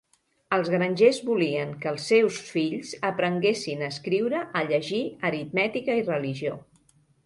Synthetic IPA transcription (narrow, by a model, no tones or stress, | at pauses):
əlˠzɣɾənʲʒezβuliəŋkəːlˠsːewsfiʎzəpɾəŋɡesinəːskɾiwɾəʔəʎəʒiəɾit̪mɛt̪ikəirəliʒio